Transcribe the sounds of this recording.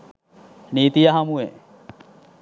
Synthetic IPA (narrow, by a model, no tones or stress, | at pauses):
niːt̪ijɐɦɐmuʋe